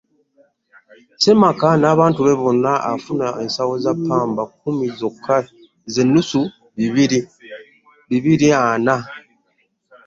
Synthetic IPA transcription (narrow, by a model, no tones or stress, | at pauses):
se̞makanaːβaːntuβe̞βo̞nːaafunaensawo̞zapʰːaːmbakːumizokkʰːae | ze̞nːusu | βiβiɾi | βiβiɾiana